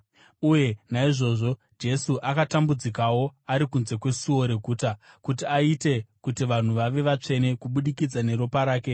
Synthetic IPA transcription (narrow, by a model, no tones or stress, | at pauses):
uje̞naiʐo̞ʐo̞ | d͡ʒe̞suʔakatambud͡zikawo̞aɾikunze̞kwe̞suo̞ɾe̞ɡʱuːta | kutiaite̞kutiʋan̤uʋaʋe̞ʋat͡ʂe̞ne̞kuɓuɗikid͡zane̞ɾo̞paɾaːke̞